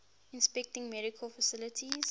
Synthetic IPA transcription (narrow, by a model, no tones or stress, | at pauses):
ɪ̃nspɛk̚tɪ̃ŋmɛɾikʰəlfəsɪlətʰiz